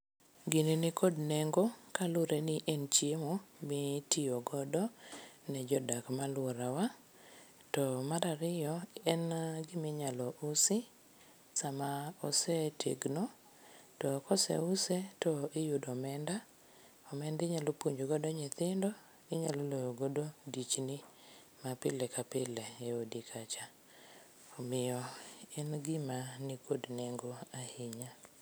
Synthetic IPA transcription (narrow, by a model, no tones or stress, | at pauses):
ɡinenɪkʰodnɛŋɡokalʊɾʔenɪʔɛnt͡ʃjemomɪtijoɡɔdɔnɛd͡ʒɔdakmalwɔɾawa | tɔmaɾaɾɪjɔɛnɡɪmɪɲalɔʔʊsɪ | samaɔsɛtʰḛɡnɔ | tɔkɔsɛ̰ʊsɛtɔɪjʊdɔmɛnda | ɔmɛndɪɲalopuɲd͡ʒoɡɔdɔɲɛt̪ɪndɔ | ɪɲalɔlojoɡododit͡ʃnɪ | mapɪlɛkapɪlɛɛodikʰat͡ʃa | ɔmɪjɔɛnɡɪmanikodnɛŋɡɔahiɲa